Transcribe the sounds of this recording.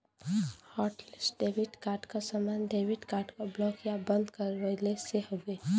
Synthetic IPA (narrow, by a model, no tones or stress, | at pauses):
hɔːʈlɪsʈɖeːʋɪɖkaːɾʈkasamaːnɖeːʋɪɖkaːɾʈkablɔːkjabə̃nd̪kəɾəleseɦoɡeː